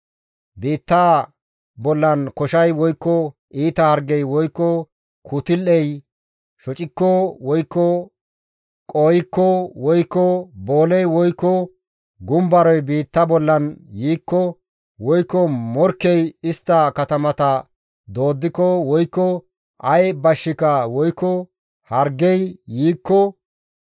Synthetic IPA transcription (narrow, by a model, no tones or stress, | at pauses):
biːt̪ːɐ | bɔlːɐnkɔʃɐjwɔjkːɔʔiːt̪ɐhɐɾɡɛjwɔjkːɔ | kʰut̪ɪlːɛj | ʃɔt͡ʃʼɪkːɔwɔjkːɔ | kʼoːjɪkːɔwɔjkːɔbo̞ːlɛjwɔjkːɔ | ɡʊmbɐɾɔjbiːt̪ːɐbɔlːɐnjiːkːɔ | wɔjkːɔmɔɾkːɛjɪst̪ːɐkɐt̪ɐmɐt̪ɐ | d̪o̞ːd̪ːɪkɔwɔjkːɔ | ɐjbɐʃːɪkɐwɔjkːɔ | hɐɾɡɛjːiːkːɔ